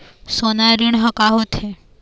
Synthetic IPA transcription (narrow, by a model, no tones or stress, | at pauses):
sonaɾiɳ̃ɦəkaɦot̪ʰe